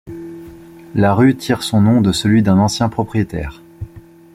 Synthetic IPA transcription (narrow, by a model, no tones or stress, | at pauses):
laʁyt̪ʰiʁsɔ̃nɔ̃d̪əsəlɥid̪ɛ̃nɑ̃sjɛ̃pχɔpχijet̪ɛ̰ːʁ